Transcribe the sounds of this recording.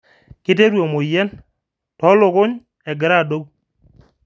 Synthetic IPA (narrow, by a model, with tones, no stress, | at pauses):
kɪ˦t̬e˦ɾwo˨mo˨jɛ˦n | tɔ˨˦lʊ˨kʊ˦ɲ | ɛ˨ɡɪ˨ɾa˦˨do˦k